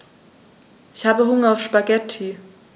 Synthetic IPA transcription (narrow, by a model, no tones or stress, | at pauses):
ʔɪçhaːbəɦʊŋɐaʊfʃpaɡɛtʰi